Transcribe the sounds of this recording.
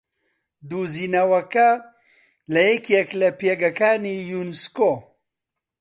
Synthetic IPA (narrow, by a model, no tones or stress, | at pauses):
d̪uziːnɐwɐkɐ | lɐjɛkɛklɐpeɡɐkaːnijunsko